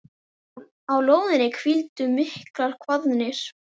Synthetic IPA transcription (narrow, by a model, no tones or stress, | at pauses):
awloːwðɪnɪkʰvilt̪ʏmɪhklaɾ̥kʰvaðnɪɾ̥